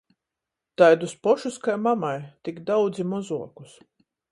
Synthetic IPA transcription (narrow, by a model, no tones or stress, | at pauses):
t̪ajd̪uspɔʃuskajmamajt̪iɡd̪awd̪zimɔzuɔku̥s